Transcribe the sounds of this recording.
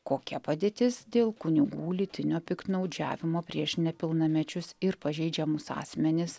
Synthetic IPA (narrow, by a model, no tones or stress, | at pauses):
koːkʲɛpɐd̪ʲeːt̪ʲɪsd̪ʲeːlˠkʊnʲɪɡuːlʲɪt̪ʲɪnʲoːpʲɪkt̪nɐʊd͡ʒʲæ̰ːʋʲɪmoːpʲɾʲiɛʃnʲɛpʲɪlˠnɐmʲɛt͡ʃʲʊsɪɾpɐʒʲɛɪd͡ʒʲɛmʊsɑ̰ːsʲmʲɛnʲɪs